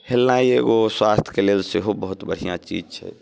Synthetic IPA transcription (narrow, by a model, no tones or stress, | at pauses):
helnaieɡoswast̪ʰkelelseɦobəɦut̪bəɽ̤ijãt͡ʃḭd͡ʒt͡ʃʰɛ̰